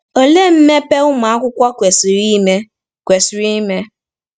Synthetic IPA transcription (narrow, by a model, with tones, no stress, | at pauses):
o˨le˦m̩˦me˦pe˦ʊ˦ma˨a˦kʷʊ˦kʷa˦kʷe˨si˨ɾi˦me˦ | kʷe˨sɾi˦me˦